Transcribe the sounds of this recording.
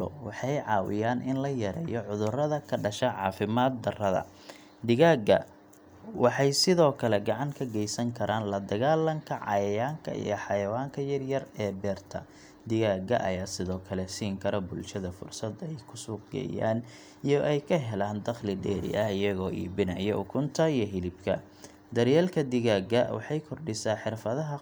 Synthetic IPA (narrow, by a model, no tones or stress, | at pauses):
ɔ̰wɑħɑjʕɑːwɪ̰jaːnʔɪnlɐjɐɾɛ̰ːjɔʕʊðʊrɐðɐkʰɐɖɐʃɐʕɑ̰ːfɪmaːd̪̚d̪ɐrɐðɐ̰ | d̪ɪɣaːɡɐ̰ | wɑħɑjsɪðɔːkʰɐlɛɡɑʕɑŋkʰɐɡɛjsɐŋkʰɐɾʔaːnlɐd̪ɐɣaːlːɐŋkʰɐʕɑ̰jɐjaːŋkʰɐ̰ʔḭjɔħɑjɐwaːŋkʰɐjɐrjɐrɛːbɛːrt̪ʰɐ̰ | d̪ɪɣaːɡɐ̰ʔɐ̰jaːsɪðɔːkʰɐlɛsiːŋkʰɐɾɔbʊlʃɐðɐfʊ̰rsɐd̪ɛjkʰʊsuːqɡɛ̰ːja̰ːn | ijɞʔɛjkʰɐɦɛlaːnd̪ɐχlɪɖɛːɾɪ̰ʔɐhɪjɐɣɔːʔḭːbɪnɐjɔʊkʰʊnt̪ʰɐijɞɦɪlɪbkʰɐ̰ | d̪ɐɾjaːlkʰɐd̪ɪɣaːɡɐwɑ̰ħɑjkʰɔrɖɪsaːħɪrfɐðɐɦɐ